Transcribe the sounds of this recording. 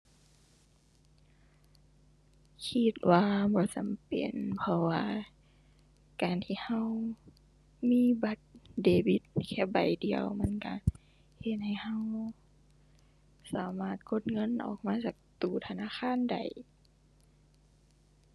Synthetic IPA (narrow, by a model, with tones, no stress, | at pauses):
kʰi˧t̪̚waː˧bɔː˨˦t͡ɕa˨˦mpḛ˨˩npʰɔ˧waː˧ | kaː˨˩nt̪ʰiː˧˩ha˧˩w | miː˧˥˨ba˧˦t̪̚deː˨˩bi˧˦t̪̚kʰɛː˧˩ba˨˩jdi˨əwma˧˥˨nka̰˧˩ | he˧˩t̪̚ha˨˩jha˧˨w | saː˨˦maː˧˩t̪̚kʰo˧˥˩t̪̚ŋɤ˧˥˨nʔɔ̰ː˨˩k̚maː˧˥˨t͡ɕaː˨˩k̚t̪uː˨˩t̪ʰa˧˨naː˧˥˨xʰaː˧˥˨nda̰˨˩j